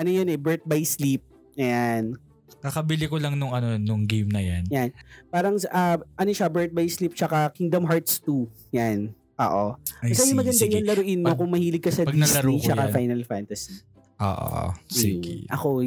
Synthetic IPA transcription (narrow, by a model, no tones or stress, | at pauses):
ʔɐnojonʔɛbɛɹt̪̚bajslip̚ | ɐjan | kɐkɐbɪlɪkolɐŋnʊŋɐnonʊŋɡejmnɐjanjanpaːɾɐŋsʔɐʔɐnoʃabɛɹt̪̚bajslip̚t͡ʃɐkakɪŋd̪ɐmɦaɹt̪st̪u | jan | ʔo̰ːʔokɐsajʊmɐɡɐnd̪aɲʊŋlɐɾʊʔɪnmokʊŋmɐhiːlɪɡ̚kɐsɐdpɡ̪ɐsɐɾit͡ʃɐkafajnɐlfant̪ɐs | ʔo̰ːʔo̰siɡḭʔɐ̰ko